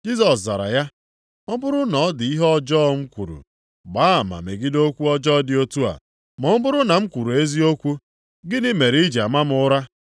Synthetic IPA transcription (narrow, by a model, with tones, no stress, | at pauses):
d͡ʒi˦sɔ˨sza˨ɾa̰˨ja˦ | ɔ˦bʊ˦ɾʊ˦nɔ˨˦dɪ˨i˦ɦɔ˦d͡ʒɔː˦˨˦ŋ͡m̩˦kʷṵ˨ɾṵ˨ | ɡ͡ba˦˨ma̰˨me˨ɡɪ˦do˦kʷu˦ɔ˦d͡ʒɔ˦dɪ˨o˦tu˦a̰˨ | mɔ˨m̩˦bʊ˦ɾʊ˦na˨m̩˦kʷu˨ɾu˨e˦zi˦o˦kʷu˦ | ɡɪ˦dɪ˦me˨ɾi˦d͡ʒe˨a˨ma˦m˦ʊ˦ɾa˦